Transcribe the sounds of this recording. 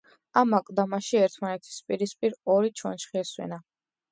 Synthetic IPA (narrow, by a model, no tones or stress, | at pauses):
amakʼd̪amaʃiɛɾt̪ʰmanɛt̪ʰi̥spʼiɾispʼiɾɔɾit͡ʃʰwa̰nʃχiɛswɛ̰na